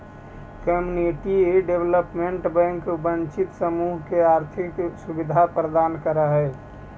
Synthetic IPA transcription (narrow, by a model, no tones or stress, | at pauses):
kəmjuniʈiɖeʋləpmeɳʈbɛ̃ŋkbənt͡ʃɪt̪səmuɦkeaɾt̪ʰɪksubid̪ʱapɾəd̪aːnkəɾəɦɛ